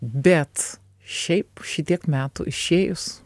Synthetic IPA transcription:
bʲɛt̪ | ʃʲɛɪpʃʲɪt̪ʲiɛkmʲæːt̪ʊ̰ʔɪʃʲeːjʊs

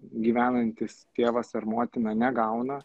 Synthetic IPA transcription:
ɡʲiːʋʲæːnɐnʲt̪ʲɪst̪ʲeːʋɐsɐɾmoːt̪ʲɪnɐnʲɛɡɐʊnɐ

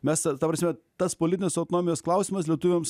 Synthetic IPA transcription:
mʲɛst̪ɐt̪ɐpɾɐsʲmʲɛt̪ɐspoːlʲɪt̪ʲɪnʲeːsɐʊt̪oːnoːmʲɪjoːsklˠɐʊsʲiːmɐs̬lʲɛt̪ʊʋʲems

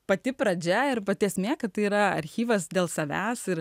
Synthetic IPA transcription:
pɐt̪ʲɪpɾɐd͡ʒʲɛɪɾpɐt̪ʲeːɛsʲmʲeːkɐt̪tːɐɪiːɾɐɐ̰ɾʲxʲiːʋɐsd̪ʲeːlˠsɐʋʲæːsɪɾ

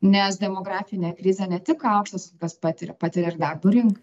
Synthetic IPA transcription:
nʲɛs̬d̪ʲɛmoːɡɾɑːfʲɪnʲeːkɾʲɪzʲɛnʲɛt̪ʲɪkɐˑʊkʃt̪ɐskɐspɑːt̪ʲɪɾʲɛpɑːt̪ʲɪɾʲɛɪrd̪ɐrbuːɾʲɪŋkɐ

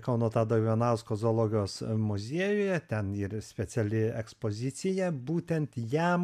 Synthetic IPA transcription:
kɐʊnuɔt̪ɑːd̪ɐʊʋʲoːnɑʊskoːzoːlˠoːɡʲɪjoːsmʊzʲiɛjʊjɛt̪ʲɛniːrsʲpʲɛt͡s̪ʲɛlʲɪɛkspoːzʲɪsʲɪjɛbuːt̪ʲɛnt̪jæm

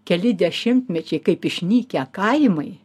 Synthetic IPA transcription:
kʲɛlʲɪd̪ʲɛʃʲɪmʲt̪ʲmʲɛt͡ʃʲɛɪkɐɪpɪʃʲnʲiːkʲɛkɐɪmɐɪ

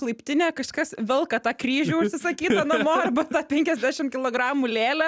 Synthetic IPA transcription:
klˠɐɪpʲt̪ʲɪnʲeːkɐʃkɐsʋʲɪlˠkɐt̪ɑːkrʲiːʒʲuːʊʃʲsʲɪsɐkʲiːt̪ɐnɐmoːɐrbɐt̪ɑːpʲɛŋʲkʲɛzʲd̪ʲæːʃʲɪmkʲɪlˠoːɡɾɑːmulʲeːlʲɛ

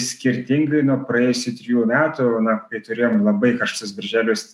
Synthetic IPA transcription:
sʲkʲɪɾʲt̪ʲɪŋɡɐɪnuɔpɾɐjeːjʊsʲʊt̪ʲɾʲɪjuːmʲæːt̪ʊnɐkɐɪt̪ʊɾʲeːjoːmlˠɐbɐɪkɐʃt̪ʊsbʲɐɾʲʒʲæːlʲɪs

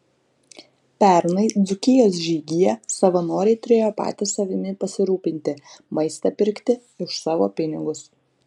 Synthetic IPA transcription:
pʲɛˑɾnɐɪd̪zʊkʲɪjoːs̬ʒʲiːɡʲɪjɛsɐʋɐnoːɾʲɛɪt̪ʊɾʲeːjoːpɑ̰ːt̪ʲɪsɐʋʲɪmʲɪpɐsʲɪɾuːpʲɪnʲt̪ʲɪmɐɪst̪ɐpʲɪɾʲkt̪ʲɪ | ɪʃsɑːʋo̰ːpʲɪnʲɪɡʊs

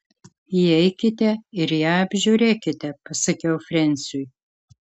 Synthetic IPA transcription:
iɛɪkʲɪt̪ʲɛɪɾjæːɐbʲʒʲuːɾʲeːkʲɪt̪ʲɛpɐsɐkʲɛʊfʲɾʲɛnʲsʲʊj

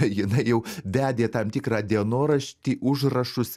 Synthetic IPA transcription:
jɪnɐɪjɛʊʋʲæːd̪ʲeːt̪ɐmt̪ʲɪkɾɑːd̪ʲiɛnoːɾɐʃʲt̪ʲiːʔʊʒrɐʃʊs

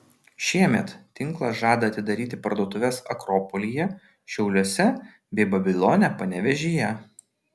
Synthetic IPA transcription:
ʃʲiɛmʲɛt̪t̪ʲɪŋˑklˠɐsʒɑːd̪ɐɐt̪ʲɪd̪ɐɾʲiːt̪ʲɪpɐɾd̪uɔt̪ʊʋʲɛsɐ̰kɾɔːpɔlʲijɛ | ʃʲɛʊlʲuɔsʲɛ | bʲɛɪbɐbʲɪlʲˠɔːnʲɛpɐnʲɛʋʲɛʒʲiːjɛ

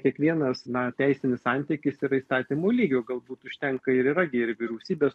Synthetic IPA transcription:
kʲiɛkʋʲiɛnɐsnɐt̪ʲæɪsʲɪnʲɪsɑnʲt̪ʲikʲɪsiːɾɐiːst̪ɑːt̪ʲiːmoːlʲiːɡʲoːɡɐlˠbuːt̪ʊʃʲt̪ʲɛŋkɐɪɾiːɾɐɡʲɪɪɾʋʲɪɾʲɛʊsʲiːbʲeːs

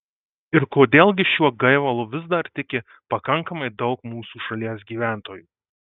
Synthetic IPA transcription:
ɪɾkoːd̪ʲeːlˠʲɡʲɪʃʲuɔɡɐɪʋɐlˠʊʋʲɪzd̪ɐɾt̪ʲɪkʲɪ | pɐkɐŋkɐmɐɪd̪ɒʊkmuːsuːʃɐlʲiɛs̬ɡʲiːʋʲæˑnt̪oːjuː

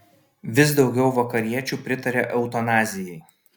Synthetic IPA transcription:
ʋʲɪsd̪ɒʊɡʲɛʊʋɐkɐɾʲiɛt͡ʃʲuːpʲɾʲɪt̪ɐɾʲeːʔɛʊt̪ɐnɑːzʲɪjɛɪ

